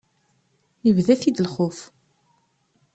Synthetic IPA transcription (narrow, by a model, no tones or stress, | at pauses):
jəvðæθid̪əlχʊf